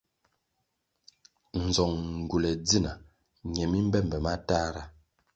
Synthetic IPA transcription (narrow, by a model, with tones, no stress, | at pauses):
n̩˨zɔ˨ŋŋ˨ɡu˨lɛ˨d͡zi˦˨na˨ | ɲɛ˨mi˦m̩˦bɛ˦˨m˨bɛ˨ma˦ta˦ɾa˦